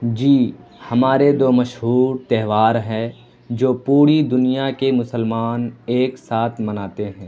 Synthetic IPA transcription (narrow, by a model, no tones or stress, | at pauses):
d͡ʒiːhɐmaːɾed̪oːmɐʃɦuːɾt̪ɛɦʋaːɾɦɛ̃ | d͡ʒoːpuːɾid̪ʊnijakemʊsəlmaːneːksaːt̪ʰmɐnaːt̪eɦɛ̃ː